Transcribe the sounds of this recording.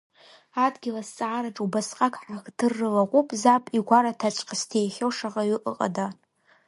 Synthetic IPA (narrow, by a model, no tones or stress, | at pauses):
adɡʲɪlast͡sʼaʕaɾaʈ͡ʂʼubasqʼakʼħaxdɨrːɨlaqʷʼupʼzapʼiɡʷaɾatʰat͡ʃʷʰʼqʰastʰejχʲolʂaʁaɥɪʔʼəqʼa̰da